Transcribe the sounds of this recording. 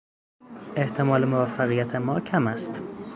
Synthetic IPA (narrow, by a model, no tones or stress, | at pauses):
ʔeht̪ʰemɒːlemovæfːæɣijæt̪ʰemɒːcʰæmæst̪